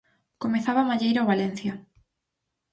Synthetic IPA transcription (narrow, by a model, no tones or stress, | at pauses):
komeθaβamaʎejɾawβalen̟θja